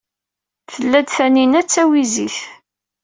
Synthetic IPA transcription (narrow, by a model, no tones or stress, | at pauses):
θəlːæd̪θæninæt͡sːæwiziθ